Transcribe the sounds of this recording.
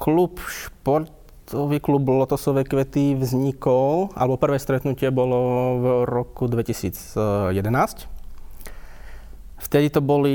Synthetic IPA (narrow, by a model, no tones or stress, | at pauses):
klupʃpɔɾt̪ | ɔʋiklublɔt̪ɔsɔʋɛːkʋɛt̪iʋzɲikɔlʔa̰lɛbɔpr̩ʋɛːst̪ɾɛt̪nucɪɛbɔlɔvɾɔkud̪ʋɛcisiːd͡zjɛd̪ɛnaːsc | ft̪ɛd̪it̪ɔbɔli